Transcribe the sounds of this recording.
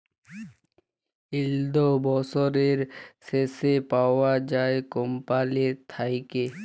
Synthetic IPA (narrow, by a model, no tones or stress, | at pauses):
ild̪obɔsɔɾeɾsesepaoad͡ʑaekompalet̪ʰajke